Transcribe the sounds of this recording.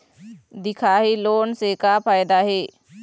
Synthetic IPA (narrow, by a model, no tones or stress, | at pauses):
d̪ɪkʰaːɦiloːnsekapʰaːjd̪aɦeː